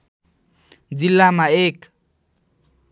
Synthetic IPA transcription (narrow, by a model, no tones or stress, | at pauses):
d͡zilamaeːkḁ